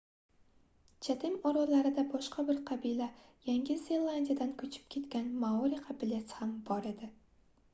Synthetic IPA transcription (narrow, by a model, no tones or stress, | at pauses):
t͡ʃʰat̪ʰɪmɒɾɒlaɾɪd̪abɒʃqʰɑbɪɾqʰɑbilajaŋɡʲɪzelˠːand̪ʲijad̪ankʰɵt͡ʃʰɪ̥p̚kʲʰe̞t̪kʲanmaɒɾiqʰɑbɪlet̪hambɒɾed̪ɪ